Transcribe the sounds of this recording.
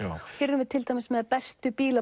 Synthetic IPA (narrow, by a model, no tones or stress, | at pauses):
fɪɾʏmvɪðt̪ʰɪlt̪ajmɪsmɛðpɛst̪ʏpiːla